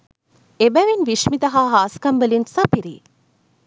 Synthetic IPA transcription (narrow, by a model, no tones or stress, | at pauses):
ebæʋinʋiʃmit̪ɐɦaːɦaːskɐmbəlinsɐpiɾḭː